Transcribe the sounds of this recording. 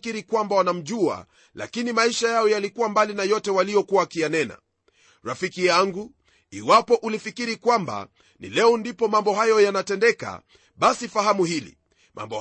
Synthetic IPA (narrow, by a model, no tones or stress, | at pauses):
kiɾikwambawanam̩ʄua̰ | la̰kinimaiʃajaɔjalikuwambalinajɔtɛwalijɔkuwakijanɛna̰ | ɾafikijaŋɡu | iwapɔʔulifikiɾikwamba̰ | nḭlɛɔndipɔmambɔɦajɔjanatɛndɛka̰ | ɓasifaɦamuhilḭ | mʔa̰mbɔ